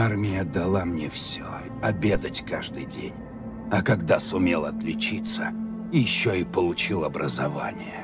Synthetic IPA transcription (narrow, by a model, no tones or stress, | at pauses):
armʲɪjəd̪ɐlˠamnʲefsʲo | ɐbʲe̞d̪ətʲkaʐd̪ɨjdʲḛnʲ | ɐkɐɡd̪asʊmʲelˠɐt̪lʲɪt͡ɕit̪sə | ijɪɕːoipəlˠʊt͡ɕilˠɐbɾəzɐva̰nʲɪjə